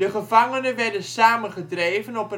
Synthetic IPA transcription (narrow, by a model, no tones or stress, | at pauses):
dəχəvaŋənəʋɛrdənsaːmənχədrejvənɔpə